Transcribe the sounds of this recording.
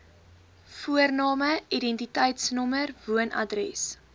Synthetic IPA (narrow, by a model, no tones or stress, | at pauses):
fuərnɑːməidɛntitəjtsnɔmərvuənɐ̰drɛs